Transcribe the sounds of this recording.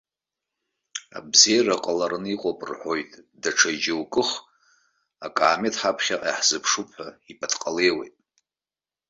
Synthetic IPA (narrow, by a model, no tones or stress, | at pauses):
a̰bzejaraqʼalarɨniqʼopʼrħojtʼdaʈ͡ʂʰad͡ʒɪwkʼɨχ | akʼaːmetʰħapʰχʲaʔiħz̥ɨpʰʂupʰaipʰʼatʰqʼale̞jwḛjtʼ